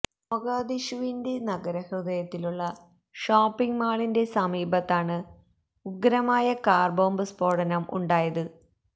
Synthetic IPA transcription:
moɡaːd̪iʂuʋinde̞nɐɡɐɾɐhrɨðɐjɐt̪ːiluɭːɐ | ʂoːpːiŋɡmaːɭinde̞sɐmiːbʱɐt̪ːaːɳɨ | uɡɾɐmaːjɐkaːrbo̞ːmbɨspoːɽɐnɐmṵɳɖaːjɐðɨ

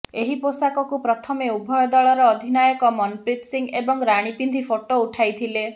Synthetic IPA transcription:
eɦiposakɔkupɾɔt̪ʰɔmeubʱɔjɔd̪ɔɭɔɾɔːd̪ʱinajɔkɔmɔnpɾit̪siŋɡebɔŋɾaɽ̃ipind̪ʱipʰoʈouʈʰajt̪ʰile

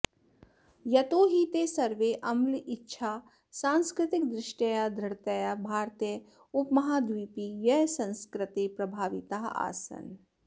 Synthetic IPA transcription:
jɐt̪oːɦit̪eːsɐɾʋeʔɐmlɪtːʃʰaː | saːnskɾɪt̪ɪk̚d̪ɾɪʃʈɐjad̪ɾɐɽt̪ɐjabʱaːɾt̪e | ʊpmɐɦaːd̪ʋiːpijɐɦsɐ̃nskɾɪt̪epɾɐbʱaːʋit̪aːɦa̰ːsɐ̰n

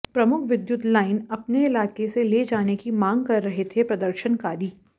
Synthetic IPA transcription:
pɾɐmʊkʰʋɪd̪jʊt̪laːɪnɐpneɪlaːkeseleːd͡ʒaːnekimãːŋɡkɐɾːɐɦet̪ʰepɾɐd̪əɾʃənkaːɾiː

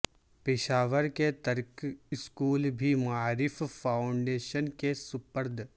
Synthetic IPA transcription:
pɪʃaːʋəɾket̪ɐɾkɪskuːlbʱimaːɾɪfpʰaːʊɳɖeːʃənkesʊpəɾd̪ʱ

